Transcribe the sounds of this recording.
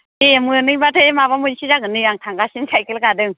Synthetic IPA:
imɯnɯŋbatʰɯemabamusizakɯnɯaŋt̪ʰaŋɡasinsʰajkilkadɯŋ

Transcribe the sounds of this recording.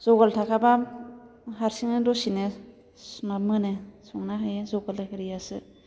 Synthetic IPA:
zɔɡaltʰakʰaba | ɦaɾsiŋnɯdɔsine | smamɯnesɔŋnaɦajezɔɡaltʰakʰaɾijasɯ

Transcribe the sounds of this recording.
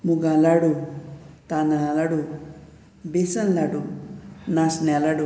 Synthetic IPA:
muɡalaɽu | t̪analaɽu | besɐnlaɽunasnelaɽu

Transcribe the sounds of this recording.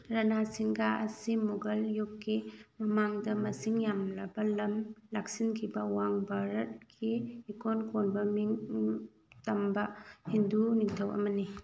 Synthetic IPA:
ɾɐnasiŋɡaʔɐsimuɡɐljukːimɐmaŋdɐmɐsiŋjamlɐbɐlɐmlaksinkʰibɐwaŋbaɾɐt̚kiikonkonbɐmiŋ | tɐmbɐhinduniŋtʰɐwɐ̰mɐni

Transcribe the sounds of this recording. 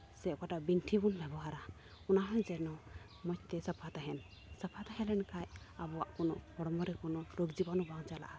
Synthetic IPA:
sɛkaʈabinʈʰibunbʱɛbɔɦaɾa | ɔnaɦɔnd͡ʒɛnɔ | mɔɲt̪ɛsapʰat̪aɦɛn | sapʰat̪aɦɛlɛnkaj | abɔwaʔkɔnɔkɔɽɔmɔɾɛkɔnɔɾoɡd͡ʒibanɔbaŋt͡ʃala̰ʔa

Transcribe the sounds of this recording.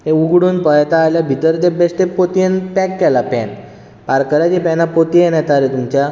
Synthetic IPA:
ɦeuɡɽuːnpəjt̪aːljabʱit̪əɾt̪ebesʈ̪epot̪ienpɛkːɛlapɛ̰n | paɾkəɾat͡ɕipɛnapot̪ijenat̪aɾet̪umt͡ɕa

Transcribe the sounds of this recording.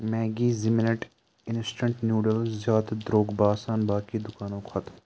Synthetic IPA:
mɛːɡiːzɪmnəʈ | ɪnsʈə̃ɳʈnjuːɖəlzjaːt̪d̪ɾoːɡbaːsaːnbaːkid̪ʊkaːnõːkʰɐt̪ʰ

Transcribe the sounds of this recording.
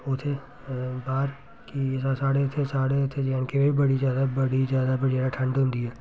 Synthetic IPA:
ʊt̪ʰe | baːɾ | kisasaːɽeʊt̪ʰesaːɽeʊt̪ʰed͡ʒnkebebibɐɽizjaːd̪abɐɽid͡ʒjaːd̪abɐɽeɾaʈʰɐ̃ɳɖomd̪ieː

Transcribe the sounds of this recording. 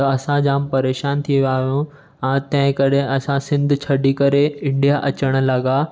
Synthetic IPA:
ɐɐsãd͡ʑaːmpɐɾeːʃaːnt̪ʰiʋjaːɦjũ | ɛ̃ːt̪ɐ̃ɦɪ̃kɐɗeʔɐsãsɪ̃nd̪ʱt͡ɕʰɐɗikɐɾeɪ̃ɳɖijaʔɐt͡ɕəɽ̃ə̆lɐɡa

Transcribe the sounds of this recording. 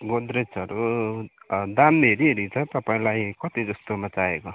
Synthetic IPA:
ɡod̪ɾet͡sʌɾu | d̪amːeɾiɦeɾit͡sʰʌt̪ʌpaĩlajkʌt̪id͡zʌst̪omat͡saeko

